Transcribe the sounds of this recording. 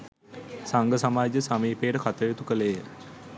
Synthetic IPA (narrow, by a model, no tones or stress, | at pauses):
saŋɡəsamaːd͡ʒəsamiːpeːɖəkat̪əjut̪ukəleːə